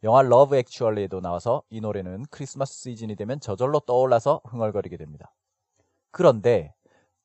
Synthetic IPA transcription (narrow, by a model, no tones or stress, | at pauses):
jʌŋɦaɭːʌbɯe̞k̚t͡ɕʰuʌɭedonaasʰʌinoɾe̞nɯnkʰɯɾisʰɯmasʰɯ̥s͈id͡ʑinidwe̞mjʌnt͡ɕʌd͡ʑʌɭːot͈ʌoɭːasʰʌɸɯŋʌɭɡʌɾiɡe̞dwemɲid̥a | kɯɾʌnde̞